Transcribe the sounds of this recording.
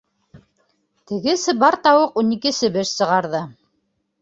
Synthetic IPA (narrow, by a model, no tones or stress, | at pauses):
t̪ɘ̆ɡɘsɘbɑɾt̪ɑwɤqunikɘ̆sɘ̆βɘʃsɤ̆ʁɑɾðɤ